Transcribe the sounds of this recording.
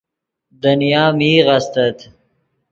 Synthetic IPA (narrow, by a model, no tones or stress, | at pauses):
d̪ɐnjaːmiːʁɐst̪ɐt̪